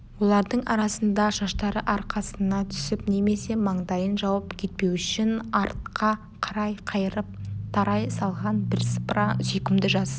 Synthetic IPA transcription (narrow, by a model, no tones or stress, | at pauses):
wo̞lˠɑɾd̪əɴɑɾɑsənd̪ɑʒɑʃt̪ɑɾəʔɑɾqɑsənɑt̪ʰʏ̥sɪpne̞me̞se̞mɑɴd̪ɑjənʒɑwɑpkʲʰe̞t̪̚pe̞wʏʃɪnɑɾt̪̚qʰɑ | qʰɑɾɑjqʰɑjəɾəp̚t̪ʰɑɾɑjsɑlˠʁɑnbɪɾsprɑsʏjkʲɪmd̪ɪʒɑs